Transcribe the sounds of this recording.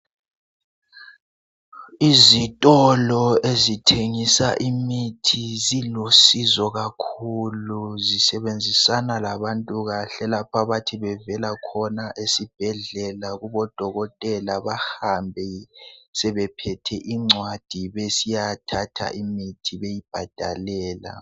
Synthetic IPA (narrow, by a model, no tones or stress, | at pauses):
izitʼɔlɔezitʰeŋisaʔimitʰizilosizɔɣakʰuluzisɛβend͡zʱisanalaβantʼuɣaɬɛlapʰaβatʰiβɛvɛlakʰɔnaʔesib̥ʱɛɮɛlaɣuβɔd̥ʱɔɣɔtʼɛlaβahambʱɛsɛβɛpʰɛtʰɛʔiŋ͡ǀʱwad̥ʱiβesijatʰatʰa̰ʔimitʰiβejib̥ʱad̥ʱa̰lɛːla̰